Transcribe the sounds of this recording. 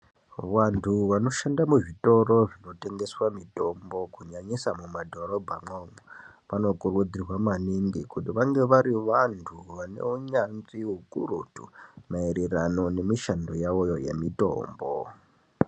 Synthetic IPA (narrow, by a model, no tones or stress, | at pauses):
ʋantʰuʋano̞ʃandamuʐito̞ro̞ʐino̞te̞ŋɡe̞swamito̞mbo̞kuɲaɲisamumadʱo̞ɾo̞bʱamomo | pano̞kurud͡zirwamaniŋɡikutiʋaŋɡe̞ʋaɾiʋantʰuʋane̞̰uɲanziɦukurutumaiɾerano̞ne̞miʃandojawojoje̞̰mito̞̰ːmbo